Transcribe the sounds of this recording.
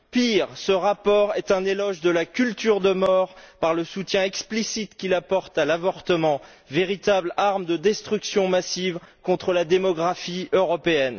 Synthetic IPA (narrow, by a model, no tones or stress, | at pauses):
piʁsəʁapɔʁɛt̪ɛ̃nelɔʒd̪əlakʲylt̪yʁd̪əmɔʁpaʁləsut̪jɛ̃ɛksplisit̪kʲilapɔʁt̪alavɔʁt̪əmɑ̃ | veʁit̪ablaʁmd̪əd̪ɛst̪χyksjɔ̃masivkɔ̃t̪χəlad̪emɔɡʁafiøʁɔpeɛn